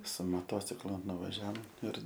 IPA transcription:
sʊ moːˈtoːt͡sʲɪklˠʊ nʊʋɐˈʒʲɛoːm ɪr

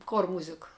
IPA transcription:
koːr ˈmuːzʲɪkɐ

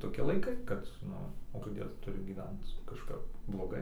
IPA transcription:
toːˈkʲɪ lˠɐɪˈkɐɪ kɐt ˈnʊ oː koːˈdʲeːlˠ tʊˈrʲʊ ɡʲiːˈʋʲɛnt͡s kɐʃˈkɐp blˠoːˈɡɐɪ

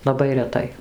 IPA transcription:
lˠɐˈbɐɪ rʲɛˈtɐɪ

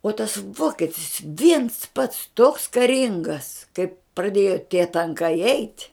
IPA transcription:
oː tɐs ˈʋoːkʲɛtʲɪs ʋʲiɛns pɐts toːks kɐˈrʲɪŋɡɐs kɐɪp prɐˈdʲeːjoː tʲiɛ tɐŋˈkɐɪ ɛɪtʲ

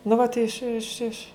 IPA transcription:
nʊ ˈʋɐt ˈɪʃ ɪʃ ɪʃ

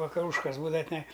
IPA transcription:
ʋɐkɐˈruːʃkɐs ˈbuːdɐʋɐ tʲɪˈnɐɪ

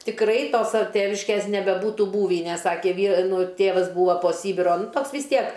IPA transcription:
tʲɪkˈrɐɪ ˈtoː sɐ ˈtʲeːʋʲɪʃʲkʲeːs nʲɛbʲɛˈbuːtʊ ˈbuːʋʲiː nʲɛs ˈsɑːkʲeː ˈʋʲiː ˈnʊ ˈtʲeːʋɐs ˈbuːʋɐ poː ˈsʲiːbʲɪroː ˈtoːks ʋʲɪs ˈtʲiɛk

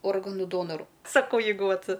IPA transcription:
ˈoːrɡɐnuː ˈdoːnoːrʊ sɐˈkɐʊ ˈjɛɪɡʊ ˈʋɐt

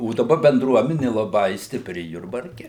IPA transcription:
oː dɐˈbɐ bʲɛnˈdruɔmʲɛnʲɪ lˠɐˈbɐɪ sʲtʲɪˈpʲrʲɪ jʊrbɐrʲˈkʲɛ

